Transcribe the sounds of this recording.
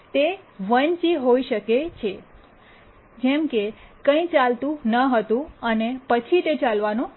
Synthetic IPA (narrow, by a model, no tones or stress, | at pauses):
t̪eʋənt͡ʃiɦoiʃəket͡ʃʰe | d͡ʒɛmkekə̃ĩt͡ʃalt̪ũnəɦət̪ũənepət͡ʃʰit̪et͡ʃalʋanũ